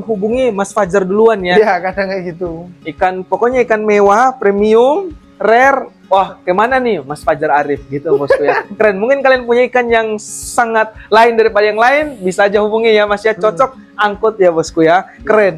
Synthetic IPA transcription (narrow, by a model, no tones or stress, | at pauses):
ɦubuŋimasfad͡ʒarduluanjajakadaŋaɡit̪uikanpokɔɲaikanmewapɾemiʊm | rɛr | wahkajmananɪmasfad͡ʒəɾaɾɪfɡit̪ubɔskujaakəɾɛnmuŋkɪnkaliaŋpuɲaikanjaŋsaŋat̪̚laɪndaɾipadajaŋlaɪnbisaːd͡ʒahubuŋijamasijat͡ʃɔt͡ʃɔk̚ | aŋkʊt̪̚jabɔskujakəɾɛn